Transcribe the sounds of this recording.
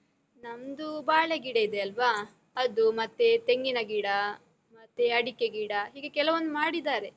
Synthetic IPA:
nɐmd̪ubaːɭeɡiːɽɐid̪eɐlʋaː | ɐd̪umɐt̪ːe̞t̪e̞ŋɡinɐɡiːɽɐ | mɐt̪ːeɐɽikːeɡiːɽɐɦiːɡe̞kɛlɐʋond̪umaːɽid̪aːɾe̞

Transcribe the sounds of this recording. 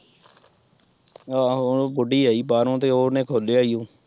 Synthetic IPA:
aːobʊɖiːaːiːpaːɾõːt̪̬eːoːnẽːkʰoːleːaːijõː

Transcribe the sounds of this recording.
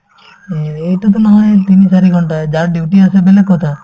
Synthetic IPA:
ejʈat̪̬ɔnaɦãjt̪inisaɾiɡʱɔɳʈad͡ʒaɾɖiwʈiasebelekɔt̪ʰa

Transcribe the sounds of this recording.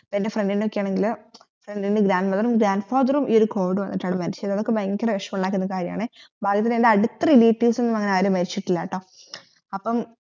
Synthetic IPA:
penːefreɳɖinokːijaːɳeŋɡil | freɳɖinɨɡɾaːnɖmɐðɐrumɡɾaːnɖfaːðɐrumʔioɾuko̞ːʋiɽɨʋɐnːiʈːaːɳemɐɾit͡ɕːiɐðɐðokːebɐjŋːɡikʲːɐreʋeʂɐmuɳɖaːkːunːɐkaːɾjɐma̰ːɳɨbʱaːɡjɐt̪ːilendeɐɽut̪ːɐriliːʈːiːsenːumɐŋːɐeaːɾumːɐɾit͡ɕːiʈːilːa̰ːʈːɐ | ɐpːɐm

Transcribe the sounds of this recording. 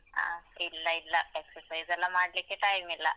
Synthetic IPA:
ɦa̰ːilːailːaeksəɾsajzɛlːamaːɽliːkeʈajmilːa̰

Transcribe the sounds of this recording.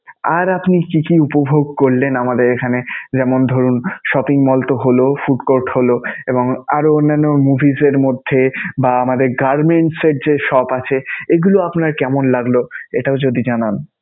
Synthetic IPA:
aɾapnikikiupobʱoɡ̚koɾlenamad̪eɾekʰaned͡ʑɛmond̪ʱoɾunʃɔpiŋmɔlt̪oɦolofuʈkoɾʈholoeboŋa̰ɾoonːanːomubʱizeɾmod̪ʱːebaamad̪eɾɡaɾmeɳʈseɾd͡ʑeʃɔpat͡ɕʰeeɡuloapnaɾkɛmonlaɡloeʈaod͡ʑod̪id͡ʑanan

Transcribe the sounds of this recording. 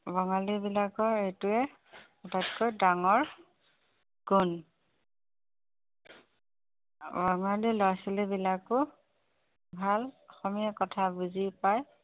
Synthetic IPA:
bɔŋalibilakɔɹejtuɛ | ɔtatkojdaŋɔɹ | ɡun | bɔŋalilɔasilebilakʊ | bʱalɔxɔmiakɔtʰabuzipaj

